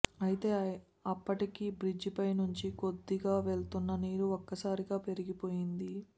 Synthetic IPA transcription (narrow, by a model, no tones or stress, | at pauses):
ɐjit̪e̞ː | ɐpːɐʈikibɾid͡ʒpɐjnuɲt͡ʃiko̞d̪ːiɡaːʋe̞ɭt̪unːɐniːɾuokːɐsaːɾiɡaːpe̞ɾiɡipo̞ːjind̪i